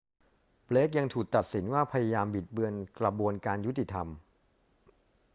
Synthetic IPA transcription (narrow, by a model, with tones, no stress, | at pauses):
pleː˦˥k̬̚ja˧ŋt̪ʰuː˨˩k̚t̪a˨˩t̪̚si˩˦nwaː˥˩pʰa˧ja˧jaː˧mbi˨˩t̪̚bɯ˧ənkɾa˧bu˧ənkaː˧nju˦˥t̪ʰːi˨˩t̪ʰa˧m